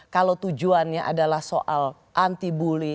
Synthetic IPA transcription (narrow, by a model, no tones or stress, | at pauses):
kalowt̪ud͡ʒuanɲaʔa̰dalahso̰ʔal | ʔant̪ibuli